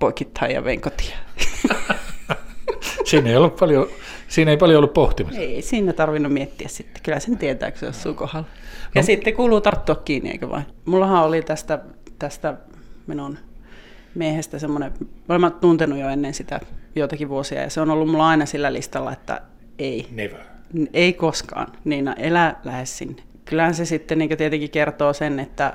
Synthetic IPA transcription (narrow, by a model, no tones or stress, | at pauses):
poikit̪hɑijɑ̰ʋḛŋkot̪i̥ɑ | siːneijolːuppɑljosiːneipɑljoolːuppoht̪imiseisiːnːæt̪ɑrʋinːummiet̪ːiæssit̪ːe̥kylæsent̪iet̪æ̰ːkø̥sḛo̰ssuːkohɑlːɑjɑsit̪ːekuːluːt̪ɑrt̪ːuɑkkiːnːˑḭḛikø̰ʋɑ̰imulːɑhɑolit̪æst̪æt̪æst̪æ | minun | miehest̪æsemːoneolemːɑtt̪unt̪enujoenːensit̪æ̰joit̪ɑkiʋʋuosiɑ̰jɑ̰seonolːummulːɑɑinɑsilːælḭst̪ɑlːɑ̰et̪ːæ̰ | ein | eikoskɑ̰ːnniːnɑ̰ʔelælæhessḭnːe̥kylːæhænsesit̪ːeniːŋkøt̪iet̪eŋkikert̪oːsenet̪ːæ